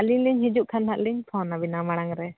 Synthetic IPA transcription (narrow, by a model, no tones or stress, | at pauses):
aliɲliɲhid͡ʒuʔkʰanɦaʔliɲt̪ʰɔnabinamaɽ̃aŋɾɛ